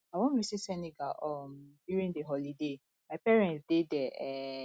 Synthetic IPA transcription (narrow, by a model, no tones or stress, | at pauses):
awɔ̃nɹisisɛniɡaʔɔmdjuɹĩndəɦɔlide | maɪpɛɹɛ̃nsdedɛɛ